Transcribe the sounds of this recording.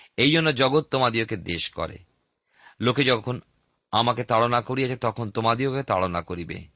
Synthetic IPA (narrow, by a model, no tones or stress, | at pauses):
ejd͡ʑonːod͡ʑɔɡot̪̚ːomad̪ioked̪eʃkɔ̰ɾḛ | loked͡ʑɔkʰon | amaket̪aɽonakoɾiat͡ɕʰet̪ɔkʰont̪omad̪ioket̪a̰ɽonakoɾibḛ